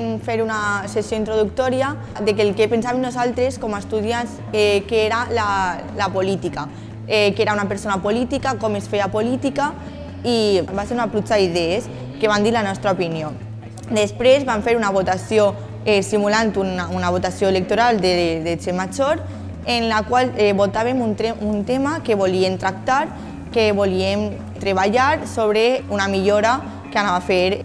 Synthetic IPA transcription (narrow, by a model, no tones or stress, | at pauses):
nfeɾunasesjoint̪ɾoðukt̪ɔɾja | d̪ekelkepensaβemnuzalˠt̪ɾeskɔmast̪uðjans | ɛkeeɾala | lapolit̪ika | ɛkeɾaunapeɾsonapolit̪ikakɔmesfeapolit̪ika | ibaseɾunaplut͡ʃaiðɛes | keβand̪iɾlanɔst̪ɾaopinjo | d̪espɾezβaɱfeɾunaβ̞ot̪asio | esimulant̪unaunaβot̪asjoelek̚t̪oɾald̪ed̪et͡ʃemat͡ʃoɾ | enlakwaleβot̪aβ̞emunt̪eunt̪emakeβolient̪ɾak̚t̪aɾ | keβoliem | t̪ɾeβaʎaɾsoβ̞ɾeunamiʎoɾa | keanaβafeɾ